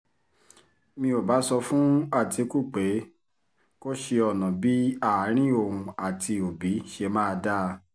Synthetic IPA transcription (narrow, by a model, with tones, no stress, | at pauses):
mĩ˧o˨ba˨˦sɔ˧fũ˦a˦˨ti˨˧ku˦˨k͡pe˨˦ | ko˦ʃe˧ɔ˨nɔ̃˨bi˦a˦˨˦ɾ̃ĩ˦o˨ũ˧a˨tʰi˧o˨bi˨˦ʃe˧mãː˦˧da˦˧